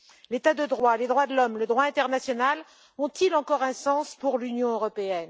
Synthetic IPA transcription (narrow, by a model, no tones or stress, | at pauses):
let̪ad̪əd̪ʁwaled̪ʁwad̪əlɔmləd̪ʁwaɛ̃t̪ɛʁnasjɔnal | ɔ̃t̪ilɑ̃kɔʁɛ̃sɑ̃spuʁlynjɔ̃øʁɔpeɛn